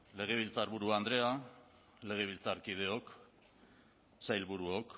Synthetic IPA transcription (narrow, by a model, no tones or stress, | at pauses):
le̞ɣ̞e̞β̞ilt͡saɾβuɾuand̪ɾe̞a | le̞ɣ̞eβ̞ilt͡saɾkið̞e̞o̞k | sajlβuɾuok